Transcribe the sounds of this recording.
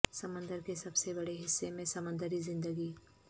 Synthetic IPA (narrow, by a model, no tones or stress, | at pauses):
sɐmə̃nd̪əɾkesɐbsebɐɽeɦɪsːemẽsɐmə̃nd̪əɾizɪ̃nd̪əɡiː